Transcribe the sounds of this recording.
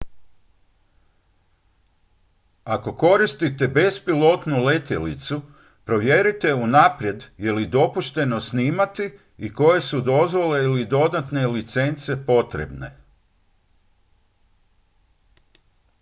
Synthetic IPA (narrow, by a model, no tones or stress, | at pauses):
ako̞ko̞ɾist̪it̪e̞be̞spilo̞t̪nule̞t̪jelḭt̪su | pɾo̞ʋjeɾit̪e̞unapɾje̞d̪je̞lid̪o̞puʃt̪e̞no̞sniːmat̪i | iko̞je̞sud̪o̞zʋo̞le̞ilid̪o̞d̪at̪ne̞lit̪se̞nt̪se̞po̞t̪ɾḛbne̞̰